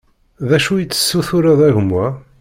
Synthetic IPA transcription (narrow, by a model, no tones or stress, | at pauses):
ðæʃujət͡sːə̥sːuθʊɾaðæʝəmːwæ